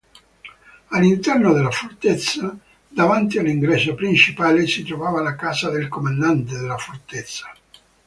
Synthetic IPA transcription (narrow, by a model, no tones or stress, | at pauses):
alːint̪ɛrnod̪elːafort̪et̪sːa | d̪avant̪̬ialːiŋɡɾɛːsopɾint͡ʃipaːlesit̪ɾovaːvalakaːzad̪elkomand̪ant̪ed̪elːafort̪et̪sːḁ